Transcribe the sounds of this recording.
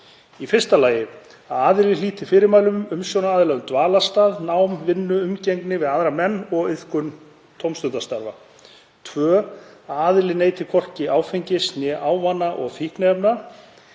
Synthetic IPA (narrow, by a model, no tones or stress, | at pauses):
ifɪr̥st̪alaːjɪ | aðaːðɪlɪliːt̪ɪfɪːɾɪɾmaːjlʏmʏmsjownaaːðlaɣʏmt̪vaːlast̪aːðnaːwmvɪnːʏʏmcejŋknɪvɪðaðɾamɛnːɔɣɪðkʏn | t̪ʰowmst̪ʏnt̪ast̪aɾva̰ | t̪ʰvœːaːðɪlɪneːjt̪ɪkʰɔr̥cɪaːwfeɲcɪsnjɛʔaːwvanːaʔɔɣθihknaɛpna